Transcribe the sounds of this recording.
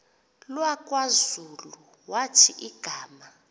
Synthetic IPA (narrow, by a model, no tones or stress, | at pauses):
lwakʼwazulu | watʰiʔiɡ̥ʱaːma